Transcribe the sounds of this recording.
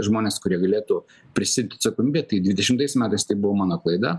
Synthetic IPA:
ʒmoːnʲeːskʊɾʲiɛɡɐlʲeːt̪uː | pʲɾʲɪsʲɪd̪ʲt̪ɐt̪sɐkoːmʲiːbʲeɛt̪ɐɪd̪ʲʋʲɪdʲɛʃʲɪmt̪ɐɪsmʲæːt̪ɐɪst̪ɐɪbʊʋoːmɑːnoːklˠɐɪd̪ɐ

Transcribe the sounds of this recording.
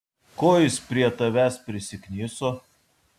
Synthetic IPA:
koːjɪspʲɾʲiɛt̪ɐʋʲæspʲɾʲɪsʲɪknʲiːsoː

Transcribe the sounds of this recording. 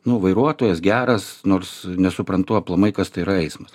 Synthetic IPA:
nʊʋɐɪɾuɔt̪oːjɛsɡʲæːɾɐsnoːrsnʲɛsʊpɾɐnt̪ʊɐplˠɐmɐɪkɐst̪ɐɪɪɾɐɛɪsmɐs

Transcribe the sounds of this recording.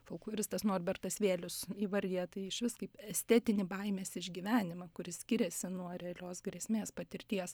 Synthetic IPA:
foʊkˠɔɾʲɪst̪ɐsnoːrʲbʲɛrt̪ɐsʋʲeːlʲʊsiːʋɐɾʲd̪ʲiɛt̪ɐɪɪʃʲʋʲɪskɐɪpɛsʲt̪ʲæːt̪ʲɪnʲɪbɐɪmʲeːsɪʒʲɡʲiːʋʲæːnʲɪmɐkʊɾʲɪsʲkʲɪɾʲɛsʲɪnuɔɾʲɛɐlʲoːsɡɾʲiɛsʲmʲeːspɐt̪ʲɪɾʲt̪ʲiɛs

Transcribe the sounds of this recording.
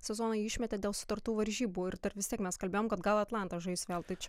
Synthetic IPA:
sʲɛzoːnɐɪɪʃʲmʲɛt̪ʲed̪ʲeːlˠsʊ̥t̪ɐɾt̪uːʋɐɾʲʒʲiːbuːɪɾt̪ɐɾʋʲɪst̪ʲiɛkmʲɛskɐlʲbʲeːjoːmkɐt̪ɡɐlˠɐt̪lˠɑˑnt̪ɐʒɐɪsʋʲeːlˠt̪ɐɪt͡ʃʲɛ

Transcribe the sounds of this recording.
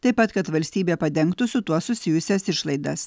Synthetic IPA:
t̪ɐɪpːɐt̪kɐt̪ʋɐlʲsʲt̪ʲiːbʲeːpɐd̪ʲɛŋkt̪ʊsʊt̪uɔssʊsʲɪjʊsʲɛsɪʃlˠɐɪd̪ɐs

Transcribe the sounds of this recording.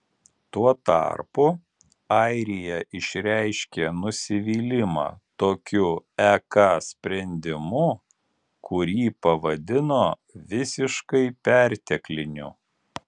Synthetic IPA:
t̪uɔt̪ɑ̰ɾpʊ | ɑɪɾʲɪjɛʔɪʃʲɾʲæɪʃʲkʲenʊsʲɪʋʲiːlʲɪmɑ̰ːt̪oːkʲʊɛkɑsʲpʲɾʲɛnʲd̪ʲɪmʊ | kʰʊɾʲiːpɐʋɐd̪ʲɪnoː | ʋʲɪsʲɪʃkɐɪpʲæɾʲt̪ʲɛklʲɪnʲʊ̰

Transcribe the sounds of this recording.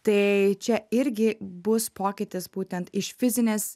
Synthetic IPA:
t̪ɐɪt͡ʃʲɛɪɾʲɡʲɪbʊspoːkʲɪt̪ʲɪsbuːt̪ʲɛnt̪ɪʃfʲɪzʲɪnʲeːs

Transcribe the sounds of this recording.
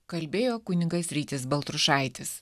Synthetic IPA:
kɐlʲbʲeːjoːkʊnʲɪɡɐsʲɾʲiːt̪ʲɪsbɐlˠt̪ɾʊʃɑˑɪt̪ʲɪs

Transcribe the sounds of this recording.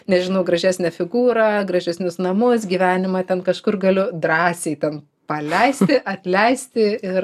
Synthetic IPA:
nʲɛʒʲɪnɐʊɡɾɐʒʲæːsʲnʲɛfʲɪɡuːɾɑːɡɾɐʒʲɛsʲnʲʊsnɐmʊsɡʲiːʋʲæːnʲɪmɐt̪ʲɛnkɐʃkʊrɡɐlʲʊd̪ɾɑːsʲɛɪtʲɛn | pɐlʲɛɪsʲt̪ʲɪʔɐt̪ʲlʲɛɪsʲt̪ʲɪɪr

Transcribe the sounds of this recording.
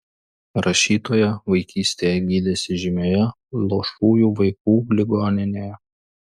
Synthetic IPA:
ɾʔɐʃʲiːt̪oːjɛʋɐɪkʲiːsʲt̪ʲeːjɛɡʲiːd̪ʲɛsʲɪʒʲɪmʲoːjɛ | lˠoːʃuːjuːʋɐɪk̚uːlʲɪɡoːnʲɪnʲeːjɛ

